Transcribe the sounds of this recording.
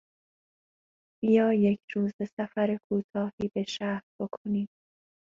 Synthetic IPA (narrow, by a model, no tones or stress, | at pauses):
b̥ijɒːjecʰɾuːzbesæfæɾe̞kʰuːt̪ʰɒːhiːbeʃæhɾb̥okʰo̞niːm